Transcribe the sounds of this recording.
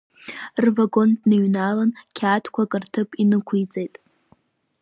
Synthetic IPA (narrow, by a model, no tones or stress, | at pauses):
rvaɡo̞ndnɨɥnalankʲʰaːtʰkʷʰakʼɨrtʰɨpʼinɨkʷʰujt͡sʼejtʼ